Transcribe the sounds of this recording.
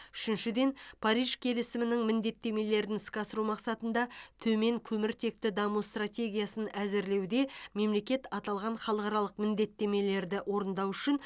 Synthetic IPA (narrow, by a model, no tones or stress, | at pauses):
ʏ̥ʃɪnʃɪd̪e̞npʰɑɾijʒ̥kʲʰe̞lɪsɪmɪnɪŋmɪnd̪e̞t̪ːeme̞le̞ɾɪnɪskʲɑsəɾumɑqsɑt̪ənd̪ɑt̪ʰɵme̞ŋkʲʰɵmɪɾt̪ʰe̞k̚t̪ɪd̪ɑmust̪rat̪ʲe̞ɡʲijasənæzɪɾle̞wd̪e̞me̞mle̞kʲe̞t̪ɑt̪ɑlˠʁɑɴχɑlˠəqɑɾɑlˠəqmɪnd̪e̞t̪ːe̞me̞le̞ɾd̪ɪʔwo̞ɾənd̪ɑwʏʃɪn